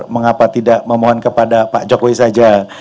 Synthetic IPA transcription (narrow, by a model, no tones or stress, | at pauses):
məŋapat̪idaʔməmoɦɔnkəpadapa̰ʔt͡ʃokoisad͡ʒa